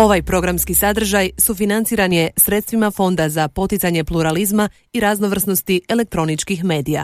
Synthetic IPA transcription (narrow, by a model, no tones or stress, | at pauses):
o̞ʋajpɾo̞ɡɾamskisad̪r̩ʒajsufinant̪siːɾanje̞sɾe̞t̪st̪ʋimafo̞nd̪azapo̞t̪it̪saɲe̞plˠuɾalizma | iɾazno̞ʋr̩sno̞st̪ie̞le̞k̚t̪ɾo̞nit͡ʃkixme̞ːd̪ija̰